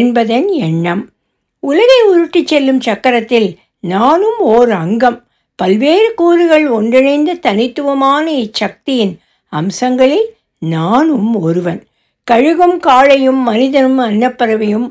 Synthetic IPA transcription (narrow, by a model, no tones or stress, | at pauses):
nbɐðɐnɛɳːɐm | ʊlɐɣɐɪʊɾɯʈːɪt͡ʃːɛlːɯmt͡ʃɐkːɐɾɐt̪ːɪl | naːnɯmoːɾɐŋɡɐm | pɐlʋeːɾɯkuːɾɯɣɐɭɔɳɖrɪnɐɪnd̪ɐt̪ɐnɪt̪ːɯʋɐmaːnɐɛt͡ʃːɐk̚t̪ɪjɪn | ɐmsɐŋɡɐɭɪl | naːnɯmɔɾɯʋɐn | kɐɻɯɣɯmkaːɻɐjɯmːɐnɪðɐnɯmɐnːɐpːɐɾɐʋɐjɯm